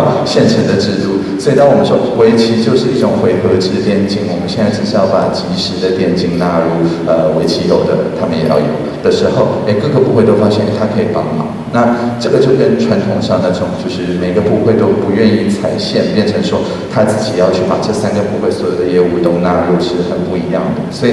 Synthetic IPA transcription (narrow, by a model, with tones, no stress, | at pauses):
ɕjɛ˥˩nʈ͡ʂʰə˧˥ŋd̪ə˧ʈ͡ʂɻ̩˥˧t̪u˥˩ | swɔ˧˥˨t̪ɑ˥˩wɔ˨˩mə˧˦nʂwɔ˥we˧˥ɪt͡ɕʰi˧˥t͡ɕjo˥˧ʊʂɻ̩˥˧i˥˩ʈ͡ʂʊ˨˩ŋxwe˧˥ɪxɤ˧˥ʈ͡ʂɻ̩˥t̪jɛ˥˩nt͡ɕi˥˩ŋwɔ˨˩mə˦nɕɛ˥˧na˥˧ɪʈ͡ʂɻ̩˥˧ʂ̩˥jɑ˥˩ʊpa˨˩t͡ɕi˧˥ʂɻ̩˧˥d̪ə˧t̪jɛ˥˩nt͡ɕi˥˩ŋna˧˥ɻu˥˩ | ə˧we˧˥ɪt͡ɕʰi˧˥jo˨˩ʊd̪ə˦t̪ʰa˥mə˨njɛ˨˩jɑ̰˥˩ʊjo̰˨˦ʊd̪ə˨ʂɻ̩˧˥xo˥˧ʊe˥˩kɤ˥˩ɡə˧˩pu˥˧xwe˥˧t̪o˥ʊfa˥ɕjɛ˥˩n˥˩t̪ʰa˥kʰɤ˧˥i˨˩pɑ˧˥ŋmɑ̰˨˩˦ | na˥˨ʈ͡ʂɤ˥˩ɡə˩t͡ɕjo˥˧ʊkə˥˧nʈ͡ʂʰwa˧˥nt̪ʰʊ˧˥ŋʂɑ˥˩ŋd̪ə˩ʈ͡ʂʈ͡ʂʊ˨˩ŋt͡ɕjo˥˧ʊʂɻ̩˥˩me˨˩ɪɡə˦pu˥˧xwe˥˧ɪt̪o˥ʊpu˧˥ɥɛ˥˧ni˥˩t͡sʰa˨˩˦ɪɕjɛ˥˧npjɛ˥˩nʈ͡ʂʰɤ˧˥ŋʂwɔ˥ | t̪ʰa˥t͡sɹ̩˥˩t͡ɕi˨˩jɑ˥˧ʊt͡ɕʰy˥˩pa̰˨˩ʈ͡ʂɤ˥˩sa˥nɡə˨pu˥˧xwe˥˩ɪswɔ˧˥jo˨˩ʊd̪ə˦jɛ˥˧u˧˥˧t̪ʊ˥ŋna˥˧ɻu˥˩ʂɻ̩˥˧xə˨˩npu˥˩i˧˥jɑ˥˩ŋd̪ə˩swɔ˧˥i˨˩